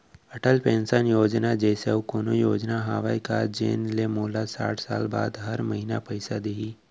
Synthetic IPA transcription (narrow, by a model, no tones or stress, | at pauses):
ɐʈəlpẽːnsənjoːd͡ʒnad͡ʒɛːseokoːnojoːd͡ʒnaɦaːʋaːika̰d͡ʒḛːnlemoːlasa̰ːʈʰsa̰ːlba̰ːd̪ɦɐɾmɐɦinapəɪsad̪iɦi